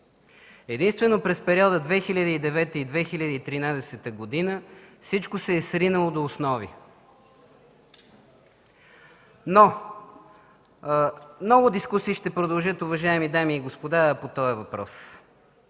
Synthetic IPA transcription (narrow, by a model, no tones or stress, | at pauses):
ɛd̪inst̪vɛnopɾɛspɛɾʲiɔd̪əd̪vɛxilʲad̪iid̪ɛvɛt̪əid̪vɛxilʲad̪iit̪ɾinad̪ɛsɛt̪əɡod̪inəfsit͡ʃkosɛːsɾinəlˠod̪oːsnɔvḭ | no | mnɔɡʊd̪iskusiːʃt̪ɛpɾod̪ɐlˠʒɤt̪ʊvɐʒaɛmid̪amiːɡospod̪apot̪ɔjəvɐpɾɔ̰s